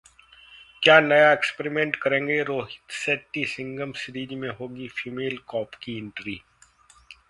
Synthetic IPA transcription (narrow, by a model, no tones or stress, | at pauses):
kjaːnɐjaekspɾimẽːɳʈkɐɾẽːŋɡeɾoːɦɪt̪seːʈːisɪ̃ŋɡəmsɾiːd͡ʒmẽɦoːɡifiːmeːlkɔːpkiɪ̃ɳʈɾiː